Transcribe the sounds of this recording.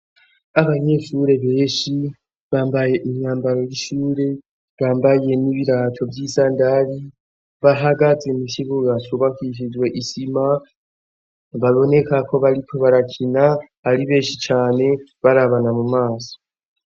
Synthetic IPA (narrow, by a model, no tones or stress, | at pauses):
aβaɲe̞ːʃuɾe̞βe̞ːʃi | βaːmbaje̞ʔiɲaːmbaɾo̞jiʃuːɾe̞ | βaːmbaje̞niβiɾaːtʰo̞vjiːsaːndali | βaɦaɡazemiʃiβuɡat͡ʃoβakiʃ̬izwe̞ʔisima | βaβo̞ne̞kako̞βaɾikʰo̞βaɾakʰina | aɾiβe̞ːʃit͡ʃaːne̞βaɾaβanamumaːso̥